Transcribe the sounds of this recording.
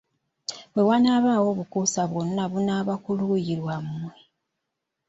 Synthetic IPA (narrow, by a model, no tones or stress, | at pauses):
bwe̞wanaːβaːwo̞βukusaβwononaβunaːβakuluːjiɾwamwe